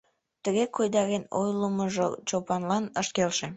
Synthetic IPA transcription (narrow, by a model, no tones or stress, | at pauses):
t̪əɣekʰojd̪ɑɣeno̰jləməʒo̰t͡ɕopɑnlɑnəʃkelʃe